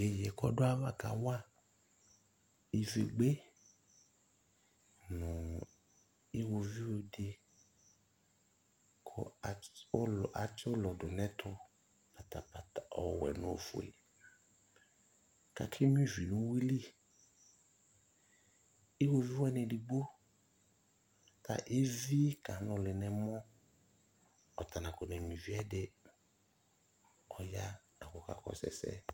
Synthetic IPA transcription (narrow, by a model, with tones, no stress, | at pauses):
e˨jɛ˨kɔ̰˦do˦a˦va˦˨ka̰˨wa˦ | i˨ve˨ɡ͡be˦ | nũ˨ | i˦wo˧vi˦wo˨de˧ | kʰɔ˨˦˨ | ʔa˨t͡ʃi˦o˦lɔ˨do˨nɛ̃˦t̪ʰɔ˦ | pa˨ta˨pa˨ta˨ɔ̰˨wɛ̰˨nũ˨˦o̰˨fo̰˨ḛ˨ | ka̰˨kʰɪ˦mĩ˦vi˨nʊ̃˦wi˦li˦ | i˦wo˦vi˦wɛ˦nɛ̃˨di˨ɡ͡bo˦ | tʰa̰˨ʔe˦vi˦ka˨˦nʊ̃˨lɪ˨nɛ̃˨mɔ̃˦ | ɔ˨ta˨nã˨kʊ˨nɛ̃˨mĩ˨vi˦ɛ˦dɪ˦ | ɔ˨ja˦ | a˨kɔ˨ka̰˨kɔ̰˨sɛ̰˨sɛ̰˦